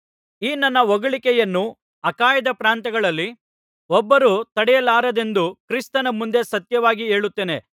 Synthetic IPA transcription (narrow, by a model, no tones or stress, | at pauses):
iːnɐnːɐʋɐɡɐɭikɛjɐnːu | ɐkaːjɐd̪ɐpɾaːnt̪ɐɡɐɭɐlːi | ɔbːɐɾut̪ɐɽɛjɐlaːɾɐd̪e̞nd̪ukɾist̪ɐnɐmund̪e̞sɐt̪jɐʋaːɡie̞ːɭut̪ːeːne̞